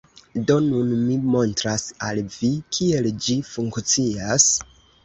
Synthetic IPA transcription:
do̞nunmimo̞ntɾasalvikʰie̞ld͡ʒifuŋkt͡sias

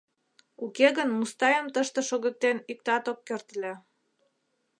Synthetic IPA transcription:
ukeɣənmust̪ɑjəmt̪əʃt̪ĕʃoɣə̆k̚t̪enik̚t̪ɑt̪okːørt̪lʲe

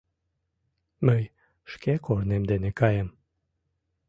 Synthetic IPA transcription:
məj | ʃkekornemd̪enekɑjem

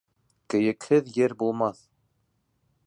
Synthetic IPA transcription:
kɘ̆jɘ̆khɘðjɘɾbulˠmɑθ

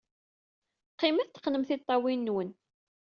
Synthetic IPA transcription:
qːɪmæθt̪ə̥qnəmθɪt̪ˤːɑwinːwən

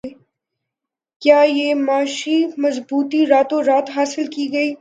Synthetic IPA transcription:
kjaːjeːmaːʃimɐzbuːt̪iɾaːt̪oɾaːt̪ɦaːsɪlkiɡɐiː

